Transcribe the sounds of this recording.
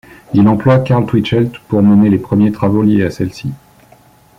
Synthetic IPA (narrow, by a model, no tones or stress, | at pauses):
ilɑ̃plwakaʁlt̪wit͡ʃɛlt̪puʁmɛnelepχəmjet̪χavoljeasɛlsi